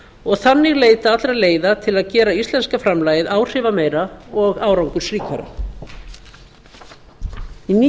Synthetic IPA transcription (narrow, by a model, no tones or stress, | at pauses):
ɔɣθanːɪɣleːjt̪at̪lɾaleːjðat̪ʰɪlaðcɛːɾaist̪lɛnskafɾamlaːjɪðaːwr̥ɪvameːjɾaɔɣaːwɾawŋkʏ̥sɾiːkʰa̰ɾa̰ | ini